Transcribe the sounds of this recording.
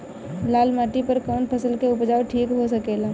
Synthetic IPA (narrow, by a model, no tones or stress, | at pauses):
laːlmaːʈipəɾkɔːnpʰəsəlkeʊpd͡ʒaːoʈʰiːkɦosəkeːlaː